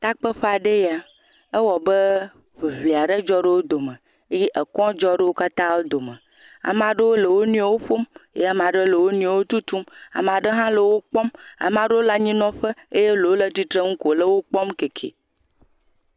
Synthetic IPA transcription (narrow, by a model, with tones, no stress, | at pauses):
t̪a˦k͡pə˦ɸa˨ɖe˦ja˨ | ə˦wɔ˨bə˦ | ɸe˨ɸi˨a˨ɖə˦d͡ʒɔ˦ɖe˦wo˦d̪o˨mə̃˨ | e˦je˦ʔə˨kɔ̃˦d͡ʒɔ˦ɖe˦wo˦ka˦t̪ã˦wo˦d̪o˨mə̃˨ | a̰˨m˨ã˨ɖe˦wo˦lə˨wo˦nũ˦a˨˦wo˦ɸo˦mjḛ˦a˨m˨ã˨ɖe˦lə˨wo˦nĩ˦a˨wo˦t̪u˦t̪u˦ma̰˨m˨a˨ɖə˦ɦã˦lə˨wo˦k͡pɔ˦ma̰˨mã˨ɖə˦wo˦la˦ɲĩ˦nɔ̃˦ɸə˦e˦je˦lo˨wo˦lə˦t̪i˦t̪ɾə˦ŋ̩˦ko˨lə˦wo˦k͡pɔ˦mke˨kʰḛ˨